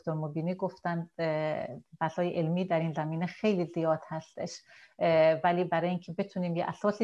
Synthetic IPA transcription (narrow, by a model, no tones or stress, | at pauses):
t̪oɾmobiːniːɡo̞ft̪ænd̪ | væsɒːjeʔelmiːd̪æɾiːnzæmiːnexe̞jliːzijɒːd̪̥hæst̪e̞ʃ | væliːbæɾɒːjeincʰe̞be̞t̪ʰuːniːmjeʔæsɒːsi